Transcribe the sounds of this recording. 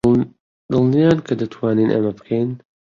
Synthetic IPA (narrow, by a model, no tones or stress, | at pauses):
d̪ɨlˠnijaːnkʰɐd̪ɐt̪ʰwaːniːnʔɐ̰mɐbɨkʰejn